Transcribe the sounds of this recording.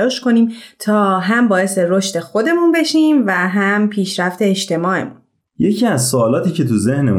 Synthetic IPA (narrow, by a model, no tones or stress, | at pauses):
ɒːʃko̞niːmt̪ʰɒːɦæmbɒːje̞seɾo̞ʃt̪e̞xo̞d̪e̞munbe̞ʃiːmvæɦæmpʰiːʃɾæft̪ʰe̞ːʃt̪ʰe̞mɒːe̞̰mun | je̞cʰiːæzsoːlɒːt̪ʰiːce̞t̪ʰuzehnem